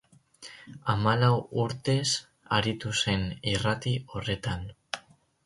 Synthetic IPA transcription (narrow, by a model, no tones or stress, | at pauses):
amalawuɾt̪e̞s | aɾit̪use̞nirat̪io̞re̞t̪an